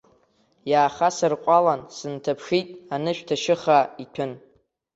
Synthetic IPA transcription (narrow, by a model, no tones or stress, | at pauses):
jaːχasɨrqʷʼalansɨntʰapʰʂitʼanɨʃᶣtʰaʃɪχaitʷᶣʰʊn